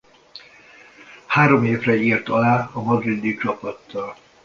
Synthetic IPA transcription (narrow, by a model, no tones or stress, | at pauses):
haːɾo̞meːvrɛiːrt̪ɒlaːɒmɒd̪rid̪it͡ʃɒpɒt̪ːɒl